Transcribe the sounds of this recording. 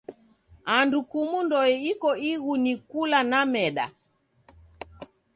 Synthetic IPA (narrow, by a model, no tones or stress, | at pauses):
andukumundɔɛikɔiɣunikulanamɛɗa̰